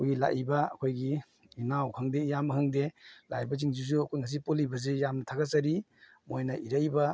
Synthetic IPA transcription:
kʰojɡila̰ʔibɐɐ̰kʰojɡi | inawkʰhɐŋdejamɐɦɐŋdela̰jbɐz̬iŋd͡ʒuzuɐkʰojŋas̬ipolibɐzejamnɐtʰaɡasɐɾi | mojnɐiɾajbɐ

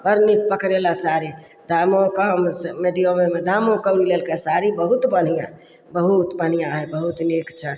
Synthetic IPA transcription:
pəɾnik̚pəkɾelasaɾi | d̪amokəmsmeɖijomemed̪ʱamõkəɾilelkesaɾibəɦut̪bən̤ijã | bəɦut̪bən̤ijãɦɛbəɦut̪nekt͡ʃʰɛ

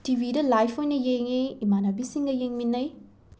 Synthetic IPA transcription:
tibʱidɐlajpʰojnɐjeŋiimanɐbisiŋɡɐjeŋminːɐj

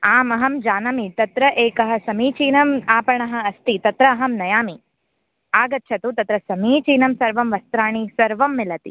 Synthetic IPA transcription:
aːmɐɦɐmd͡ʒaːnɐmit̪ɐt̪ɾɐʔeːkɐɦɐ̆sɐmiːt͡ʃiːnɐmaːpɐɳɐɦɐ̆ɐst̪it̪ɐt̪ɾɐːɦɐmnɐjaːmi | aːɡɐt̪ːʃʰɐt̪ut̪ɐt̪ɾɐsɐmiːt͡ʃiːnɐmsɐɾʋɐmʋɐst̪ɾaːɳ̃isɐɾʋɐmːɪlɐt̪ḭ

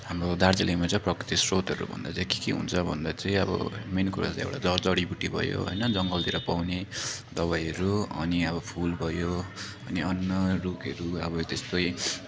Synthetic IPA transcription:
ɦamrod̪ard͡zilimat͡saĩprʌkrit̪isrot̪ʌɾṵbʱʌ̰nd̪at͡sãĩki̥kiɦṵnt͡sʰʌbʱʌnd̪at͡saĩʌbʌ̰menkuɾa̰t͡sã̰ḛwʈad͡zʌd͡zʌɽibuʈːibʱʌ̰jo̰ɦo̰jnʌd͡zʌŋɡʌld̪iɾʌpawned̪ʌβajɦʌɾuʌ̰niʌbʌpʰulbʱʌjo | ʌniʌnːʌrukʌɾuʌbʌt̪est̪oj

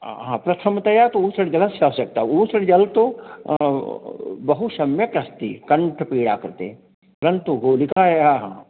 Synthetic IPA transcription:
ɦãːpɾɐt̪ʰɐmt̪ɐjat̪ousɐɽd͡ʒɐlasaosɐk̚t̪auːsɐɽd͡ʒɐlt̪o | bɐɦuʃɐmjɐkɾɐst̪ḭkɐɳʈʰpiːɽaːkɐɾt̪ḛ | pɐɾənt̪uɡoːlikaɦeaɦã

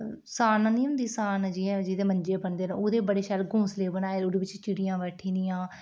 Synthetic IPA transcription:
saːnːniːʊ̃nd̪iːsaːnd͡ʒiɛd͡ʒɪd̪eːməɲd͡ʒeːbənd̪eːnːoːd̪eːbəɽeːʃɛːlɡũːsleːbənaːeːʊɾeːʋɪt͡ʃt͡ʃɪɽɪjãːʋɛːʈʰĩːd̪ijãː

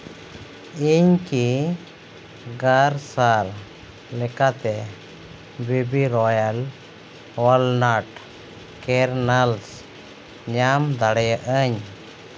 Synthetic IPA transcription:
iɲki | ɡaɾsaɾ | lɛkat̪ɛ | bibiɾɔjal | wɔlnaʈ | kɛɾnals | ɲamd̪aɽɛjəʔəɲ

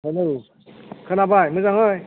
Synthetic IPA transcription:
ɦɯnɯ | kʰɯnabajmɯzaŋɦɯj

